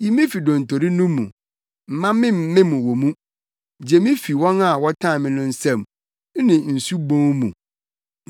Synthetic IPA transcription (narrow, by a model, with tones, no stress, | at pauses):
ji˦mɪ̃˦fi˨dɔ̃˨n̩˨tʰo˨ɾi˦nũ˦mṵ̃˨ | m̩˨mã˦mɪ̃˦m˦mɪ̃˦mũ˨wo˨mũ˦ | d͡ʑe˨mɪ̃˦fi˨wɔ̃˦na˦˨wɔ˦tʰã˦˨mɪ̃˦nʊ̃˦n̩˦sɛ̃˦˨m˦ | nɪ̃˨n̩˨su˦bõ˦ŋmṵ̃˨